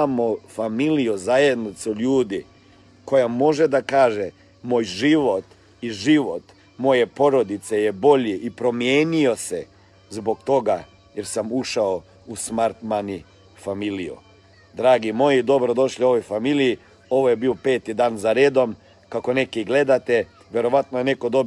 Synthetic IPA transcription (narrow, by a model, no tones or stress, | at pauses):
amofamilijuzaje̞d̪nit̪suʎuːd̪i | ko̞jamo̞ʒed̪akaːʒe | moːjʒiʋo̞t̪ | iʒiʋo̞t̪ | mo̞je̞po̞ɾo̞d̪it̪se̞jebo̞ʎiʔipɾo̞mjeːnio̞se̞̰ | zbo̞ɡt̪o̞ɡa | je̞ɾsamuʃao | usmaɾt̪mani | familiṵ | d̪ɾaːɡimo̞jid̪o̞bɾo̞d̪o̞ʃʎio̞ʋo̞jfamiliji | o̞ʋojebiːope̞ːt̪id̪aːnzaɾeːd̪o̞m | kako̞ne̞kiɡle̞d̪at̪e | ʋje̞ɾo̞ʋat̪nojene̞ko̞d̪o̞b